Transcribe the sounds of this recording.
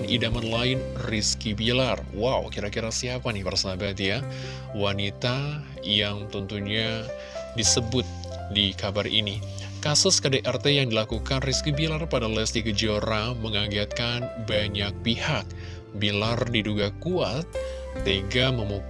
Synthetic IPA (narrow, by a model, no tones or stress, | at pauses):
nʔidamanlaɪnriskibilar | wawkiɾakiɾasiapanɪbərsabat̪ja | wanit̪a | jaŋt̪ənt̪uɲa | disəbʊt̪̚ | dikabarḭni | kasʊskədeʔɛrt̪ejaŋdilakukanriskibilarpadalɛst̪iɡəd͡ʒioɾaməŋaɡiat̪̚kanbaɲak̚pihak̚ | bilardiduɡakuat̪̚ː | eɡaməmu